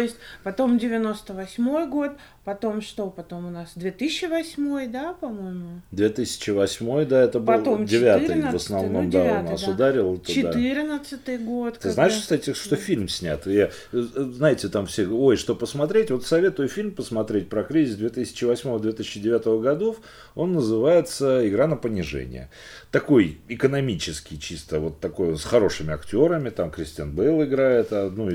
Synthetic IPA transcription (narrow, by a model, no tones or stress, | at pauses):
t̪oɪsʲt̚ʲpɐt̪o̞mdʲɪvʲɪno̞st̪əvɐsʲmo̞jɡo̞t̪ | pɐt̪o̞mʂt̪o̞pɐt̪o̞mʊnasd̪vʲet̪ɨsʲɕːɪvɐsʲmo̞jd̪apɐmojmʊd̪vʲet̪ɨsʲɪ̥t͡ɕɪvɐsʲmo̞jd̪aɛt̪əbɨlˠomdʲɪvʲat̪ɨj̪vəsnɐvno̞md̪annnːasʊd̪aɾʲɪlˠɛt̪əɪd̪at̪ɨɾʲnət̪sɨt̪ɨjɡo̞t̪t̪ɨznaɪʂkst̪atʲɪʂt̪ofʲilʲmsʲnʲa̰t̪ | znajɪtʲɪt̪amfsʲeo̞jʂt̪opəsmɐt̪ɾʲetʲvo̞t̪sɐvʲe̞t̪ʊjəfʲilʲmpəsmɐt̪ɾʲet̚ʲpɾɐkɾʲizʲɪsd̪vʲe̞t̪ɨsʲɪ̥t͡ɕɪvɐsʲmo̞vəd̪vʲet̪ɨsʲɪ̥t͡ɕːɪdʲɪvʲat̪əvəɡɐd̪o̞f | o̞nːəzɨvajɪt̪səɪɡɾanəpənʲɪʐɛ̰nʲɪ̰jə̰ | t̪ɐko̞jɪkənɐmʲit͡ɕɪskʲɪjt͡ɕist̪əvo̞t̪ːɐko̞jonsxɐɾo̞ʂɨmʲɪɐktʲo̞ɾəmʲɪt̪amkɾʲɪsʲtʲa̰nbəilˠɪɡɾajɪt̪ad̪nu